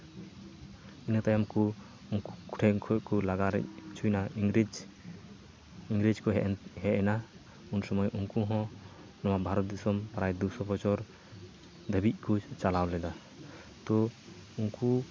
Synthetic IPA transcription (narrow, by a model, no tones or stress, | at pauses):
inat̪ajamku | ŋkuku̥ʈʰɛŋkʰɔʔkulaɡaɾɛ̰ʔ̚t͡ʃʰujnaiɾid͡ʒ | iŋɡɾid͡ʒkɔɦɛʔhɛʔɛna | unsɔmɔjuŋkuɦɔ̃ | nɔwabʱaɾɔt̪̚d̪isɔmpɾajd̪usɔpɔt͡ʃɔɾ | d̪əbiʔ̪̚kʰut͡ʃalawlɛd̪a | t̪ɔ | uŋku